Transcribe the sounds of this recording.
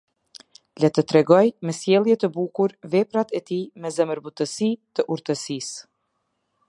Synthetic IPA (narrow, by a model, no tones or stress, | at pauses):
lɛt̪ət̪ɾɛɡɔjmɛsjɛlˠjɛt̪əbukuɾvɛpɾat̪ɛt̪imɛzɛməɾbut̪əsit̪əʔuɾt̪əsis